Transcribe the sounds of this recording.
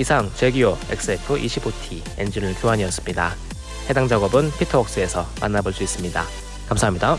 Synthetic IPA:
isʰaŋt͡ɕe̞ɡioe̞̰k̚s͈ɯepʰɯʔiɕʰibotʰi | end͡ʑinɯɭkjoɦaɲiʌs͈ɯ̥mɲida | he̞daŋd͡ʑaɡʌbɯnpʰitʰʌʌk̚s͈ɯe̞sʰʌma̰nːaboɭs͈uis͈ɯmɲida̰ | kamsʰaɦamɲida

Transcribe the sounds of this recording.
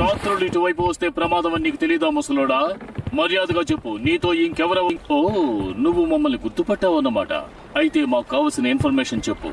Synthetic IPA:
taːt̪ɾuliʈːuʋɐjp̬uʋɐst̪e̞ːpɾɐmaːd̪ɐmɐnːiːkut̪e̞lijɐd̪aːmɐsɐloːɽaːmɐɾijaːd̪ɐɡaːt͡ʃe̞pːuniːt̪o̞ːiŋkɛʋɐɾɐʋɐŋkoːnuʋːumɐmːɐlniɡuɾt̪upɐʈːaːʋɐnːɐma̰ːʈɐ̰ | ɐjit̪e̞ːmaːku̥kaːʋɐlsinɐinpʰɐɾmeːʂɐnt͡ʃepːṵ

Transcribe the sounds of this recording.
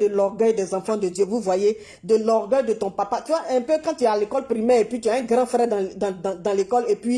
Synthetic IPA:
d̪əlɔʁɡœjd̪ɛzãfɑ̃d̪əd̪jøvuvwaje | d̪əlɔʁɡœjd̪ət̪ɔ̃papat̪yaʔɛ̃pøkãt̪yɛalekɔlpɾimɛːʁepɥit̪yaɛ̃ɡʁãfɾɛd̪̃d̪̃d̪̃d̪ãlekɔlepɥi

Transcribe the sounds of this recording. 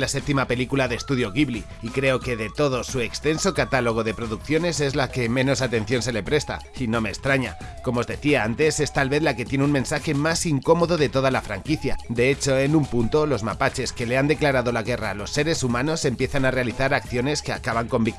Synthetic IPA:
lase̞p̚t̪imape̞likulaðe̞ːst̪uðjo̞ɣiβliːkɾe̞o̞ke̞ðe̞t̪o̞ðo̞sue̞kst̪e̞nso̞kat̪alo̞ɣ̞o̞ðe̞pɾo̞ðukθjo̞ne̞se̞zlake̞mẽ̞no̞sat̪ẽ̞n̟θjo̞ns̬e̞le̞pɾe̞st̪a̰ | ino̞me̞ːst̪ɾaɲa̰ | ko̞mo̞ːzðe̞θiaant̪e̞se̞st̪alβe̞ðlake̞t̪je̞neunmẽ̞nsaxe̞masiŋko̞mo̞ðo̞ðe̞t̪o̞ðalafɾaŋkiθjad̪e̞e̞t͡ʃo̞e̞numpunt̪o̞lo̞zmapat͡ʃe̞ske̞le̞and̪e̞klaɾaðo̞laɣ̞e̞ra̰lo̞sːe̞ɾe̞sumãno̞se̞mpje̞θanare̞aliθaɾakθjo̞ne̞ske̞a̰kaβaŋko̞mbik

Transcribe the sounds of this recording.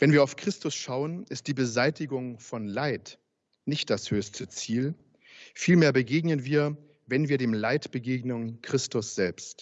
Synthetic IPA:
vɛnviːɐaʊfkʁ̥ɪstʊsʃaʊənʔɪst̚d̥iːbəzaɪtɪɡʊŋfɔnlaɪt | nɪçt̚d̥ashøːstʰət͡siːl | fiːlmeːɐbəɡeːɡnənviːɐ | vɛnviːɐɾeːmlaɪtb̥əɡeːɡnənkʁ̥ɪstʊsz̥ɛlpst

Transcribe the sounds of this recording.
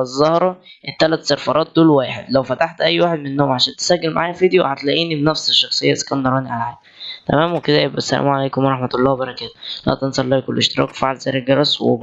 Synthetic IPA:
ezˤːɑhɾˤɑʔet̪ːælæt̪seɾfɑɾˤʔɑːt̪̚d̪oːlwæːħed̪læwfæt̪aħt̪ʔæjːwaːħed̪menːoːmʕaʃæːnt̪e̥sæɡːelmaʕaːjæfiːd̪ejoħat̪læʔiːnibenæfseʃːɑxsˤejːɑʔskænd̪ɑɾˤɑːniʕalʕaː | t̪æmæːmweked̪æjebʔæsːælæ̰ːmuʕalæjkomɑɾˤɑħmæt̪ɑlːɑːwbɑɾˤɑkæːt̪o̥læ̰ʔt̪ɑnsˤɑlːɑːkolːʔeʃt̪eɾˤɑ̰ːkwfaʕlzæːɾelɡɑɾˤɑswḛ

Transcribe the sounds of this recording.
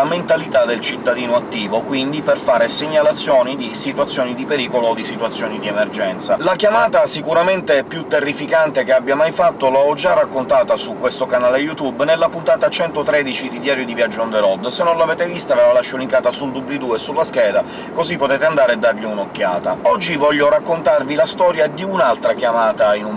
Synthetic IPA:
ament̪alit̪ad̪ːelt͡ʃit̪ːad̪iːnoat̪ːiːvokwind̪iperfaːɾeseɲːalat̪sːjɔːnid̪isit̪wat̪sːjoːnid̪ipeɾiːkoloːd̪isit̪wat̪sːjɔːnid̪iɛmerd͡ʒɛnt̪salakjamaːt̪asikuɾament̪eɛpjut̪ːerːifikant̪ekeabːjamajfat̪ːolaɔd͡ʒarːakːont̪aːt̪asukwest̪okanaːlejut̪ubnelːapunt̪aːt̪at͡ʃɛnt̪ot̪ɾɛd̪it͡ʃid̪id̪jaːɾjod̪ivjad͡ʒːond̪eɾɔd̪ːsenːonlavɛːt̪evist̪aveɾalaʃːoliŋkaːt̪asuld̪ubid̪uesulːaskɛːd̪a | kozipːot̪ɛːt̪eand̪aːɾead̪ːarʎiunokːjaːt̪aɔd͡ʒːivɔʎːoɾakːont̪arvilast̪ɔːɾjad̪iunalt̪ɾakjamaːt̪ainum

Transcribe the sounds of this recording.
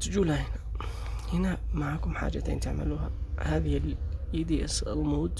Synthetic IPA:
t̪d͡ʒuːlhahɪna | hɪnamaʕaːkʊmħa̰ːd͡ʒa̰t̪ḛːnt̪ɪʕmʔa̰luːhahaːðɪhɪlʔiːd̪ia̰sɪlmoːd̪

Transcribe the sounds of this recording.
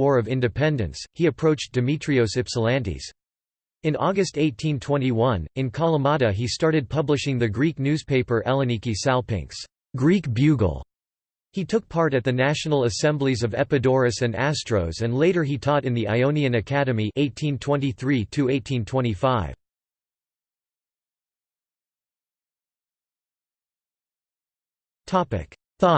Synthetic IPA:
wɔɹʌvɪ̃ndɨpʰɛ̃ndɨ̰̃nshiɨpʰɹ̥oʊt͡ʃd̥ɨmit͡ʃɹ̥ioʊsɨpsəlæ̃ndḭz̥ | ɨ̃nɔɡɨsteɪtʰĩntʰw̥ɛ̃ñiwʌ̃nɨ̃nkʰɑlˠəmɑɾɨistɑɹɾɨd̚pʰʌblɨʃɪ̃ŋðɨɡɹik̚nʉz̥pʰeɪpə˞ʔɛlˠɨ̃nikisalˠpɪ̰̃ŋks | ɡɹikb̥jʉɡl̩ˠ | hitʰʊk̚pʰɑɹɾɨt̪̚ðɨnæʃn̩l̩ˠəsɛ̃mblizʌvɛ̰pɨdɔɹɨsɨ̃næstɹ̥oʊzɨ̃nleɪɾə˞itʰɔɾɨ̃nðiʔa̰ɪõʊ̃niɨ̃nɨkʰæɾɨmiʔeɪtʰĩntʰw̥ɛ̃ntiθɹitʰɨeɪtʰĩntʰw̥ɛ̃ɾ̃ifaɪv̥ | tʰɑpɨ̰k | θɔ

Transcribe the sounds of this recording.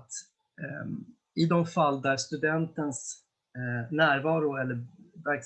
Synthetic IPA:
t̪ | ɪd̪ɔmfald̪æːɾst̪ɵd̪ɛnt̪əns | næːɾvɑːɾʊɛlːəɾvæɾks

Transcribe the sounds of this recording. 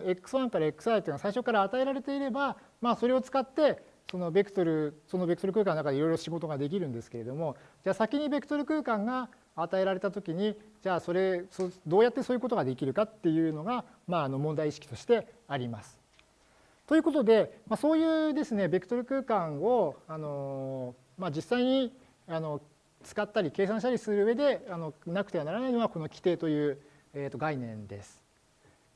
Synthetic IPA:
e̞kːɯ̟̥sɨβãŋkaɾaekːɯ̟sɨaɾɯt̪ːnasaiɕo̞kːaɾaːt̪ae̞ɾaɾe̞t̪e̞iɾe̞ba | maːso̞ɾe̞o̞t͡sɨ̥kat̪ːe̞ | so̞no̞be̞kɯ̥t̪oɾɯ̟so̞no̞be̞kɯ̟t̪oɾɯ̟kɯ̟kãnoakadeiɾo̞jɾo̞ɕiɡo̞t̪o̞ɡad̪e̞k̬ʲiɾɯ̟̃nd̪e̞sɨ̥ke̞ɾe̞d̪o̞mo̞d͡ʑaːsakʲiɲ̟ibe̞kɯ̥t̪oɾɯ̟kɯ̟ːkãŋɡaː | t̪ae̞ɾaɾe̞t̪at̪o̞kʲiɲ̟id͡ʑaːso̞ɾe̞sod̪o̞ːjat̪ːe̞soːjɯko̞t̪o̞ɡad̪e̞kʲiɾɯ̟kat̪ːe̞jɯ̟ːno̞ɡa | maːno̞mõnd̪aiɕi̥kʲi̥t̪o̞ɕi̥t̪e̞aɾʲimasɨ̥ | t̪o̞jɯ̟ko̞t̪̬o̞d̪e̞maso̞ːjɯ̟ːd̪e̞sɨne̞bʲikɯ̟̥t̪o̞ɾɯ̟kɯ̟ːkãɰ̃o̞ano̞ | mad͡ʑisːaiɲ̟i | ano̞ | t͡sɨ̥kat̪ːaɾʲike̞ːsãɕ̬i̥t̪aɾʲisɨɾɯ̟ːe̞d̪e̞ano̞nakɯ̟t̪eanaɾanainoɡako̞no̞kʲi̥t̪e̞ːt̪o̞jɯ̟ː | eːt̪ːoɡainẽ̞̰nd̪e̞̰sɨ̥

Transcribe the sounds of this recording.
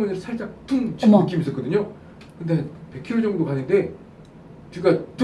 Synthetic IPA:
ŋunɯɭsʰaɭt͡ɕ͈ak̚tʰunt͡ɕːɯk͈imis͈ʌtkʌdɯɲo | kɯnde̞hanpe̞kʰiɾod͡ʑʌŋɡdopanːɯnde̞ | t͡ɕuɡat

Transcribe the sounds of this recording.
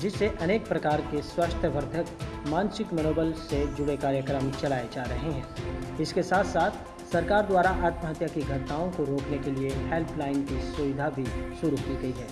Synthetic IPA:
d͡ʒɪsːeʔɐneːk̚pɾɐkaːɾkeswɐʃt̪ʰəʋəɾd̪ʱəkmãːnsɪkmɐnoːbəlsed͡ʒʊɽekaːɾjəkɾəmt͡ʃɐlaːed͡ʒaːɾɐɦeɦɛ̃ːɪskesaːt̪ʰsaːt̪ʰ | sɐɾkaːɾd̪waːɾaʔaːt̪mɦət̪jakiɡʱɐt̪naːõkoɾoːknekeliehelpʰlaːɪnkisʊʋɪd̪ʱabʱiʃʊɾukiːɡɐiɡɛː

